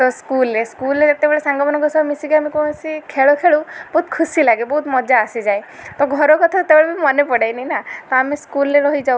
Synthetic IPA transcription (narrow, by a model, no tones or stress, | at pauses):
t̪ɔskuleskuleet̪ebeɭesaŋɡɔmɔnɔŋkɔsɔbmisiɡamikɔ̃esikʰeɭokʰeɭub̥ɔɦut̪kʰusilaɡebɔɦut̪mɔd͡ʒaːsid͡ʒajt̪ɔɡʱɔɾɔkɔt̪ʰat̪ebeɭebimɔnepɔɽajninat̪ɔamiskulɾeɾɔɦid͡ʒa